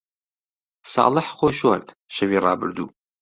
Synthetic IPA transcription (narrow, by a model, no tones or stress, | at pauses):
sɑ̰ːlˠəħχojʃwɐɾt̪ | ʃɐviːrɑːbɨ̰ɾd̪ṵː